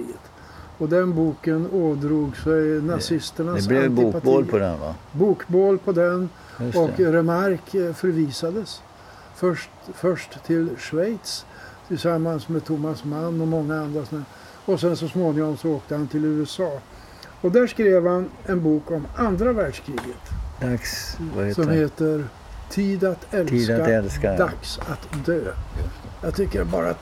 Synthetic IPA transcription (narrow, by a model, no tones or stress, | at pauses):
iːət̪ | ɔd̪ɛnbuːkənoːd̪ɾuːɡsɛjnasɪst̪əɳaslaɛɪːpatb̪oːlpʰɔd̪ɛ̰nva̰buːkboːlpʰɔd̪ɛn | ɔkɾɛmaɾkfœɾviːsad̪əs | fœʂ | fœʂʈt̪ʰɪlʂvɛjt̪s | t̪ʰɪlsamːansmɛt̪ʰʊmːasmanːɔmɔŋːaand̪ɾasɔna | ɔsɛnsɔsmoːnɪŋɔmsɔoːk̚t̪əhant̪ɪlʉ̟ːɛsɑː | ɔd̪æːʂkɾeːvhanɛnbuːkɔmand̪ɾavæːɖʂkʰɾiːɡət̪d̪a | sɔmheːt̪əɾ | t̪ʰiːd̪at̪ʰɛlisaɛlkad̪aksat̪d̪øːjjɑːɡt̪ʰʏkːəɾɛbɑ̰ːɾa̰